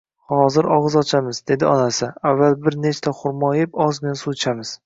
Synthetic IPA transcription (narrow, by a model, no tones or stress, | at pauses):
hɒzɪɾɒʁɨzɒt͡ʃʰamɪzd̪e̞d̪ɪɒnasɪavːalˠbɪɾnet͡ʃt̪ʰaχʊɾmɒjɪpɒzmensut͡ʃʰamɪz̥